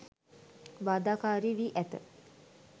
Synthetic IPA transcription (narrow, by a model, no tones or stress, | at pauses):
ʋaːd̪aːkaːɾiʋiʔæt̪ə